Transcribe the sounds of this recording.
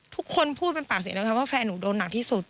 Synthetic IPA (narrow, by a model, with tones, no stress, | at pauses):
t̪ʰu˦˥kʰːo˧npʰuː˥˩t̪̚pe˧npaː˨˩k̚si˨˩˦lːkʰwaː˥˩fɛː˧nːuː˩˦doː˧nːa˨˩k̪̚ʰiː˥˩su˨˩t̪̚